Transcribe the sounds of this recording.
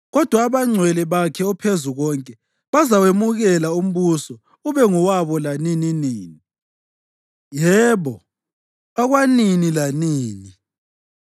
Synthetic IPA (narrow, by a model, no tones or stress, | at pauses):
ɣɔd̥ʱwaːβaŋ͡ǀʱwɛlɛβakʰɛɔpʰezuɣɔŋkʼɛ | βazawemuɣɛlaum̩βusɔ | uβɛŋuwaβɔlanininiːni | jɛːβɔ | aɣwaninilaniːni